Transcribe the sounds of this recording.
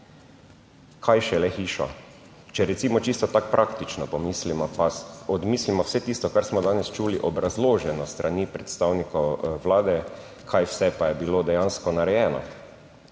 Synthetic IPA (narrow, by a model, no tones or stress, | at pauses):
kʰajʃɛlɛxiːʃɔ̰ | t͡ʃɛɾɛt̪siːmɔt͡ʃist̪ɔt̪ak̚pɾʔakt̪it͡ʃnɔpɔmiːslimɔpaɔd̪miːslimɔwsɛt̪iːst̪ɔkaɾsmɔd̪aːnɛst͡ʃuːliʔɔbɾazloːʒɛnɔst̪ɾʔaniːpɾɛt̪st̪awnikɔʋlaːd̪ɛ | kʰajwsɛpajɛbilod̪ɛjanskɔnaɾɛjɛːnɔ̰